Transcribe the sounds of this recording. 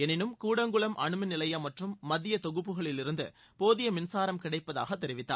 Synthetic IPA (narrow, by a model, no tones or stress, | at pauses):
ɛnɪnɯmkuːɽɐŋɡɯɭɐmʔɐɳɯmɯnɪlɐjɐmɐʈrɯmːɐðɪjɐt̪ɔɣɯpːɯɣɐɭɪlɪɾɯnd̪ɯ | poːðɪjɐmɪnsaːɾɐmkɪɽɐɪpːɐða̰ːɣɐt̪ːɛɾɪʋɪt̪ːa̰ː